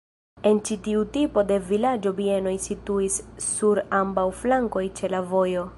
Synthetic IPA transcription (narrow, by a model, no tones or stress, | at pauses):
e̞nt͡ʃitiutipo̞de̞vilad͡ʒo̞bie̞no̞jsituisːuɾambawflaŋko̞jt͡ʃe̞lavo̞jo̞